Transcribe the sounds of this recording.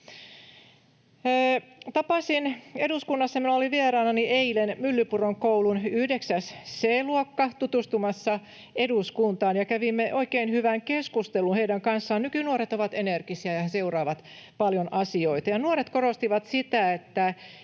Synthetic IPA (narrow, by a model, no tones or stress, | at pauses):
t̪ɑpɑsineduskunːɑsːɑminæoliʋierɑːnɑniʔeilenmylːypuroŋkoulunyhdeksæsseːluokːɑt̪ut̪ust̪umɑsːɑ | eduskunt̪ɑːnjɑkæʋimːeʔo̞ikeinhyʋæŋkeskust̪elunheidæŋkɑnsːɑːnnykynuoɾet̪oʋɑt̪enerkisiæjɑseurɑːʋɑt̪pɑljonʔɑsioit̪ɑjɑnuoɾet̪koɾost̪iʋɑt̪sit̪æet̪ːæ